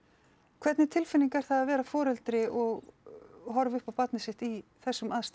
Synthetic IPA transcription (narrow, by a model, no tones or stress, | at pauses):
kʰv̥ɛɾt̪nɪt̪ʰɪlfɪniŋkaɾ̥θaðavɛːɾafɔːɾɛlt̪ɾɪʔɔɣ | ɦɔɾvʏhpawpat̪nɪsɪht̪iθɛsːʏmaðst̪